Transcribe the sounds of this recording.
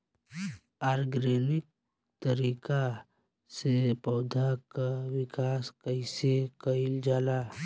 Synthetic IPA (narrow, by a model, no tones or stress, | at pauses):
aːɾɡɾeːnɪk̚ | t̪əɾiːka | sepɔʊd̪ʱakawɪkaːskəisekəɪld͡ʒaːlaː